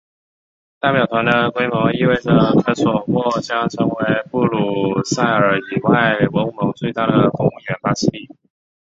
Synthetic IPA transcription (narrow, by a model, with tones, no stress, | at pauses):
t̪a˥˩pjɑ˨˩ʊt̪ʰwa˧˥nd̪ə˧kwe˥ɪmɔ˧˥ŋi˥˧we˥˩ɪʈ͡ʂə˩kʰə˧˥swɔ˨˩xwɔ˥˩t͡ɕjɑ˥ŋʈ͡ʂʰɤ˧˥ŋwe˧˥ɪpu˥˩lu˨˩sa˥˩ɪə˞˨˧˩i˨˩wa˥˩ɪwə˧˥ŋ˥˩mɤ˧˥ŋt͡swe˥˧ɪt̪a˥˩d̪ə˩kʊ˥˧ŋu˥˩ɥɛ˧˥nfa˥sʰi˥˧li˥˩